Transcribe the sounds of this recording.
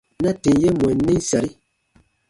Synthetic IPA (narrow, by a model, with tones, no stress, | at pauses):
na˦te˨˦je˦mwɛ˨n˦ne˦sa˨ɾi˦